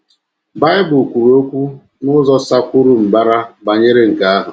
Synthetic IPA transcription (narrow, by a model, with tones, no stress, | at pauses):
ba˦ɪ˦bʊ˨kʷu˨ɾu˨o˦kʷu˦ | nʊ˦zɔ˦sa˦kʷʊ˦ɾu˦m̩˨ba˦ɾa˦ba˨ɲe˦ɾe˦ŋ̩˨ka˦a˦ɦʊ˨